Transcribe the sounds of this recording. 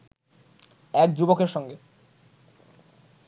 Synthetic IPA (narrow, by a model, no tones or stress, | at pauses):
ɛkd͡ʑubokeɾʃɔŋɡe